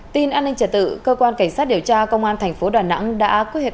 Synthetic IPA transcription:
t̪i˧nʔaː˧nï˧ŋ̟t͡ɕə˧˩t̪ɨ̰˧˨kəː˧kwaː˧nka˧˩ŋ̟saː˦˥t̚ɗi˨˩əwt͡ɕaː˧kə˧wŋ͡mʔaː˧nt̪ʰɛ˨˩ŋ̟fo˨˦ɗaː˨˩na̰˧˥ŋɗa̰ː˧˥ke˦˥t̚he˨˩

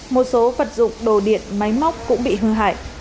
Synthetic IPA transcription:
mo˨˩t̚so˨˦və˨˩t̚zʊ̰˧˨ŋ͡mɗo˧˩ɗḭ˧˨ənma˨˦jma˦˥wk͡p̚kʊ̰˧˥ŋ͡mɓḭ˧˨ɦɨ˧əŋɦa̰ː˧˨jʔ

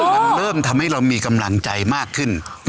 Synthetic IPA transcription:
ɾɤː˥˩mt̪ʰa˧mha˥˩jɾa˧wmiː˧ka˧mla˧ŋt͡ɕa˧jmaː˥˩kʰːɯ˥˩n

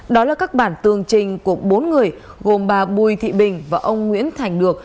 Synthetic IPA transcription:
ɗɔ˨˦laː˨˩kaː˦˥k̚ɓaː˧˩nt̪ɨ˨˩əŋt͡ɕï˨˩ŋ̟ku˧˩əɓo˨˦nŋɨ˨˩əj | ɣo˨˩mɓaː˨˩ɓu˨˩jt̪ʰḭ˧˨ɓï˨˩ŋ̟vaː˨˩ʔə˧wŋ͡mŋwḭ˧˥ənt̪ʰa˨˩jŋ̟ɗɨ˨˩ək̚

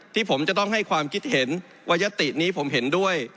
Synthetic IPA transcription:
t̪ʰiː˥˩pʰo˩˦mt͡ɕa˨˩t̪ɔ˥˩ŋɦa˥˩jkʰwaː˧mkʰi˦˥t̪̚he˩˦n | wʔa˧ja˦˥t̪i˨˩ʔniː˦˥pʰo˩˦mɦe˩˦ndu˥˩əj

